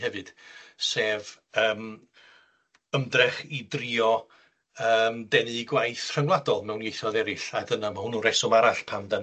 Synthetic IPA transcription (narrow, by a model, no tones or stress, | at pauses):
hɛvɨd̥seːv | əːm | əmdrɛχidrɪɔ | əːmdɛnɨɡwajθr̥əŋlˠadɔlˠmɛwnɡejθɔðɛɾɪɬadənamahʊnuɾɛsɔmaɾaɬpʰamdən